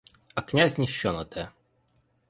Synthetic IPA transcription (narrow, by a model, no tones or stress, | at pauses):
ɐknʲazʲnʲiɕːɔnɐt̪ʰɛ